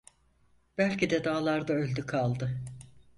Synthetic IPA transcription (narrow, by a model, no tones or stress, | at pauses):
b̥ælʲcid̪ɛd̪aːlˠaɾd̪aølʲd̪ykʰalˠd̪ɯ